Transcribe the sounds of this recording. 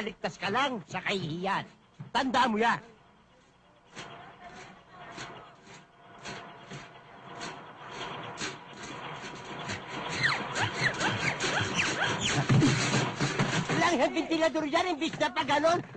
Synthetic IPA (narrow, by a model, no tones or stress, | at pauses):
lɪk̚t̪askɐlaŋsɐkahɪhijan | t̪and̪amʊja | laŋhanbɪnt̪ɪlad̪oɾjanɪmbɪsɲapaɡanon